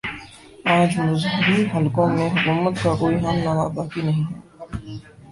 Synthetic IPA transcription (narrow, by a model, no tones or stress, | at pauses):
ãːd͡ʒmʊzɦʊbiɦɐlkõmẽɦʊkuːmət̪kakoːiɦaːmnaːmabaːkinɐɦĩɦɛː